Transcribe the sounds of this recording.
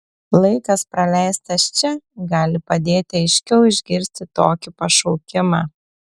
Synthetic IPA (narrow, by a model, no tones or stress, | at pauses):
lˠɐɪkɐspɾɐlʲæɪst̪ɐst͡ʃʲɛɡɑːlʲɪpɐd̪ʲeːt̪ʲɪɐɪʃʲkʲɛʊɪʒʲɡʲɪɾʲsʲt̪ʲɪt̪oːkʲɪpɐʃɔʊkʲɪmɑː